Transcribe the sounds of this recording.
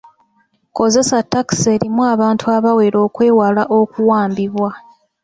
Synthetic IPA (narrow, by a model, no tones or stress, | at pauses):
ko̞ze̞satːaki̥se̞ːɾimuaβaːntʰuaβawe̞ɾo̞ːkwe̞ːwalaʔo̞kuwaːmbiβwa